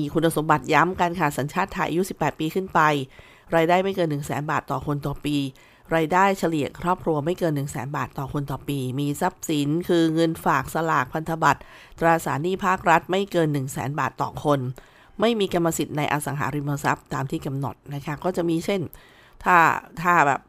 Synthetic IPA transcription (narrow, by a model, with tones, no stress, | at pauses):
iː˧kʰu˧nːa˧so˩˦mba˨˩t̪̚ja˦˥mkaː˧nkʰaː˨˩t̪̚sa˩˦nt͡ɕʰaː˥˩t̪ʰːa˧jʔa̰˧ju˦˥si˨˩pːɛː˨˩t̪̚piː˧kʰɯ˥˩npa˧j | ɾaː˧jdaː˥˩jma˥˩jkɤː˧nːɯ˨˩ŋsɛː˩˦nbaː˨˩t̪ːɔː˨˩kʰo˧nt̪ɔː˨˩piː˧ | ɾaː˧jdaː˥˩jt͡ɕʰa˧li˨˩əkʰɾɔː˥˩p̚kʰɾu˧ɐma˥˩jkɤː˧nːɯ˨˩ŋsɛ̰ː˩˦nbaː˨˩t̪ːɔː˨˩kʰo˧nt̪ɔː˨˩piː˧miː˧sa˦˥p̚si˩˦nkʰɯː˧ŋɤ˧nfaː˨˩k̚sa˧laː˨˩k̚pʰa˧nt̪ʰa˧ba˨˩t̪̚ː | ɾaː˧sa̰ː˩˦niː˥˩pʰaː˥˩k̚ɾa˦˥t̪̚ma˥˩jkɤː˧nːɯ˨˩ŋsɛ̰ː˩˦nbaː˨˩t̪ːɔ̰ː˨˩kʰo˧n | ma˥˩jmiː˧ka˧mːa˧si˨˩t̪̚na˧jʔa˧sa˩˦ŋɦa̰ː˩˦ɾi˧nmoː˧sa˦˥p̚t̪aː˧mt̪ʰiː˥˩ka˧mno̰˨˩t̪̚na˦˥kʰa˦˥kɔː˥˩t͡ɕa˨˩miː˧t͡ɕʰe˥˩n | t̪ʰaː˥˩t̪ʰaː˥˩bɛ̰ː˨˩p̚